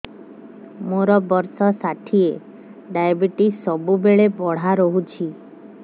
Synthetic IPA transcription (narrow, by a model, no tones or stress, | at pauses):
moɾɔbɔɾsɔsaʈʰie | ɖajbiʈisɔbubeɭebɔɽ̤aɾɔɦut͡ʃʰi